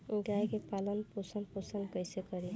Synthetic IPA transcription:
uɡajkepalənposənposənkəjsekʌɾi

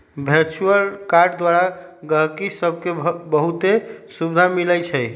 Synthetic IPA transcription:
bʱeɾt͡ʃuəlkaɾɖd̪waɾaɡəɦkisəb̚ʱkebəɦut̪esubd̪ʱamilət͡ʃʰɛj

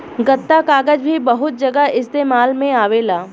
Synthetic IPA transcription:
ɡɐt̪ːakaːɡəd͡ʒbʱibɐɦʊt̪̚d͡ʒɐɡəɦɪst̪eːmaːlmẽaːʋeːlaː

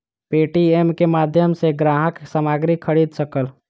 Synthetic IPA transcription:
peʈiemkemad̪ʱjəmseɡɾaɦəksamaɡɾikʰːəɽid̪səkəl

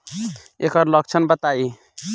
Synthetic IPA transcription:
ekʌɾlək̚t͡ʃʰənbət̪ai

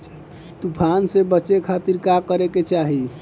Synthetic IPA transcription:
t̪upʰansebət͡ʃekʰat̪iɾkakəɾeket͡ʃaɦi

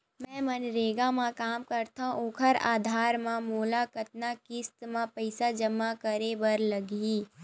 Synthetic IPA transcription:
mɛ̃ːmɐnɾeːɡamãkaːmkɐɾt̪ãʔoːkʰəɾa̰ːd̪ʱaːɾmãmoːlakət̪̚nakɪst̪mãpəɪsad͡ʒɐmːakɐɾebɐɾlɐɡiː

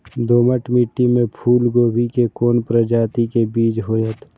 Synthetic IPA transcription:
d̪oːməʈmiʈːimẽpʰuːlɡoːbikekoːnpɾəd͡ʒaːt̪ikebiːd͡ʒɦoːjət̪ʰ

